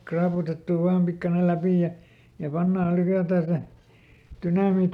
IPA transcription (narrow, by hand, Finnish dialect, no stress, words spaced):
krɑːputetːuˑ ʋɑːm pikːɑnel̆ læpiˑ jɑ jɑ pɑnːɑːl̆ lykætæː se tynɑmiːt